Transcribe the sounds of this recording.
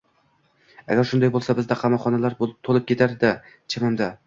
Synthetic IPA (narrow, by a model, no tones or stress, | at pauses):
a̰ɡʲaɾʃʊnd̪ajbolˠsabɪzd̪aqʰɑmɒχɒnalaɾt̪ʰolˠɪp̚kʲet̪ʰaɾd̪ɪ | t͡ʃʰamɪmd̪a